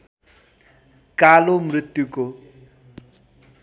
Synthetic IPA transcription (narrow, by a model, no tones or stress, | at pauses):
kalomrit̪ːjuko